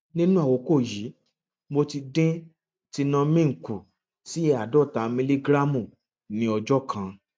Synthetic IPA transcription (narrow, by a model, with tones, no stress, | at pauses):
nĩ˦nũ˦a˦˨wo˨˦ko˦˨ji˨˦ | mo˧ti˧dẽ˦ | ti˧nã˧mĩ˦ŋ̩˨ku˨ | si˨˦ɛ˧˦a˨dɔ˦˨ta˨˦mĩ˧li˦ɡɾa˦mũ˦˨ | nĩ˨˦ɔ˧d͡ʒɔ˦kʰã˧